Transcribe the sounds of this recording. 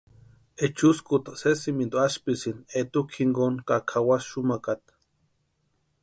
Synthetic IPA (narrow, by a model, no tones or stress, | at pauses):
et͡ʃuskut̪ḁsesimint̪oaʃpisinet̪ukʰiŋɡonkakʰawasʃumakat̪